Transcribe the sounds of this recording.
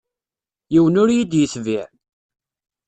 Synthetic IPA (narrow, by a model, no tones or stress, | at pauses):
jiwənʊɾjid̪jəsviʕ